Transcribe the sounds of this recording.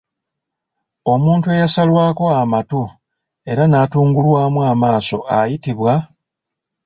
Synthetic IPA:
o̞muːntue̞jasalwaːko̞amatu | e̞ɾanatuːŋɡulwaːmuamaːso̞ajitiβwa

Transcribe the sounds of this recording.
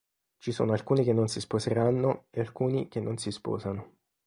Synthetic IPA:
t͡ʃiso̰ːnoalkuːnik̟enːonsispozeɾanːoealkuːnikenːʔonsispɔ̰ːzano

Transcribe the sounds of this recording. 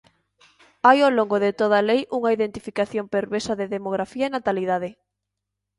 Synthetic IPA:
ajoloŋɡoðet̪oð̞ɐlejʔuŋɐiðent̪ifikaθjompeɾβeɾsɐðeðemoɣɾafiɐenat̪aliðaðɪ

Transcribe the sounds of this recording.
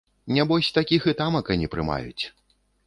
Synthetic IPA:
nʲɛbɔsʲt̪akʲixɨt̪amɐkɐnʲɛpɾɨ̰ma̰jṵt͡sʲ

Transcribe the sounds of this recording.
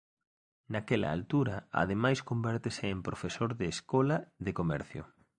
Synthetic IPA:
nakɛlɐ̰a̰lt̪uɾɐ̰a̰ðemajskombɛɾt̪eseːmpɾofesoɾðeːskɔlɐðekomɛ̰ɾθjʊ̰

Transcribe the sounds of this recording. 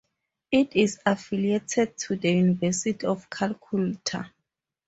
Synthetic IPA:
itisafilietʰɛd̚tʰudəjunivɛsitʰiɔfkʰalkʰultʰa̰

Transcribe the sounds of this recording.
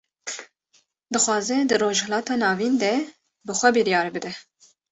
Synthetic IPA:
d̪ɨxʷɑːzɛd̪ɨroːʒhɛlɑːt̪ɑːnɑːvind̪ɛ | bɨxʷɛbɨɾijɑːɾbɨd̪ɛ

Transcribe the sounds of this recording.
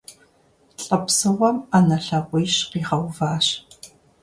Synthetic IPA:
ɬʼɐpsɨʁʷɔmanɐɬɐʁʷijɕqiːʁɐwvaːɕ

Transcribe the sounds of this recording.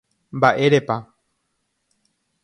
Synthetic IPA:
mbaʔeɾepa

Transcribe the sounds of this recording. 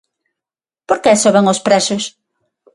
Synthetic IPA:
poɾkesoβaŋospɾɛsʊs

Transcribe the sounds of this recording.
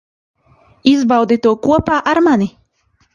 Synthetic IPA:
izbawd̪it̪uɔkuɔpaːʔaɾmani

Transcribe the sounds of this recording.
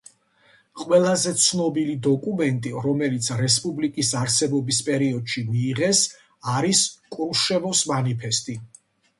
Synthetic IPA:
qʼwɛlˠazɛt̪sʰnɔbilid̪ɔkʼumɛnt̪ʼiɾɔmɛlit̪sʰɾɛspʼublikʼisaɾsɛbɔbispʼɛɾiɔd̪ʃimiːʁɛs | aɾiskʼulʃɛvɔsmanipʰɛst̪ʼi

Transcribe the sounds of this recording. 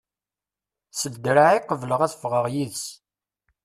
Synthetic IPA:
səld̪ɾaʕiqəvləʁæθəfʁəʁjiðs

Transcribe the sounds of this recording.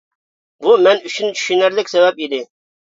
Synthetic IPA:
bumɛnyt͡ʃʰynt͡ʃʰy̥ʃynæɾlɪkʲsɛvɛpid̪ɪ

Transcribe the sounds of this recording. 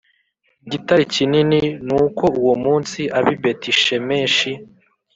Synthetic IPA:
ɟitaɾicinininuːko̞uwomuːnsiʔaβibetiʃeme̞ːnʃi

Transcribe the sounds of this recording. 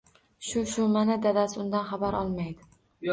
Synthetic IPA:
ʃʊʃʊmanad̪ad̪asɪʊnd̪anχabaɾʔɒ̰lˠmajd̪ɪ

